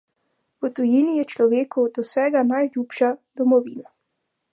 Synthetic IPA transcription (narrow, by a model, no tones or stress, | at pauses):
wət̪ujiːnijɛt͡ʃlɔʋeːkɔwd̪ɔwsɛːɡanajljuːpʃad̪̥ɔmɔʋḭːna